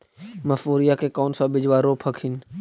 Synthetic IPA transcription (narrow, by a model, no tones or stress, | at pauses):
məfoːɾijakekaːnsãbɪd͡ʒʋaːɾoːpʰəkʰɪn